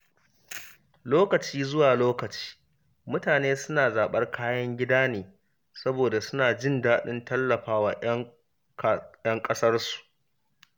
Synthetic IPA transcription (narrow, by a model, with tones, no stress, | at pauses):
loː˦kɐ˨t͡ʃiː˦zʊ˦waː˨loː˦kɐ˨t͡ʃi̥ː˦ | mʊ˦taː˨neː˦sʊ˦naː˨zaː˨ɓɐ˦rkʰaː˦jɐ˦ŋɡʲɪ˦daː˦neː˨ | sɐ˦boː˨da˨sʊ˦naː˨d͡ʒɪ˦ndaː˦ɗɪ˦ntɐ˦lːɐ˨ɸaː˦wa̰ː˨ʔɐ˦ | jɐ˦ŋkʼɐ˦sɐ˦rsu̥˨ʔ